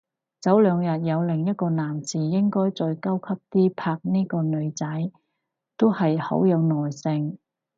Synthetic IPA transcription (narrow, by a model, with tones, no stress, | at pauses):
t͡sɐ˨˥wlœː˨˧ŋjɐ˨t̚jɐ˨˧wlɪ˨ŋjɐ˥t̚kɔː˧naː˨˩mt͡siː˨˩jɪ˥ŋkɔː˥jt͡sɔː˧jkɐ˥wkʰɐ˥p̚t̪iː˥pʰaː˧k̚niː˥kɔː˧nɵ˨˧ɥt͡sɐ˨˥j | t̪o˥whɐ˨jhɐ̰˨˥wjɐ˨˧wnɔː˨jsɪ˧ŋ